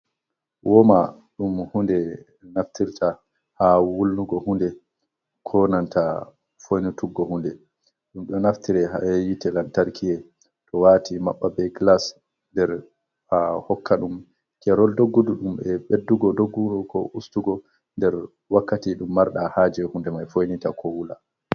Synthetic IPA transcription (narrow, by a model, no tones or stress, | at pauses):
wʔɔma | ɗumhundɛ | naftʰiɾtʰa | hawulːuɡɔhundɛ | kʰɔnanta | fojnutuɡːɔhundɛ | ɗumɗɛnaftiɾɛɦa̰ɛjitɛlantaɾkʰiɛ | tɔwatʰima̰ɓːabɛɡlas | ndɛɾ | hahɔkːaɗum | kɛɾɔldoɡːuduɗumɛɓedːuɡɔdoɡːuɗkɔʔustuɡɔ | ndɛɾ | wakːatiɗumːaɾɗahaːd͡ʒɛhundɛmajfojnitakʰɔwula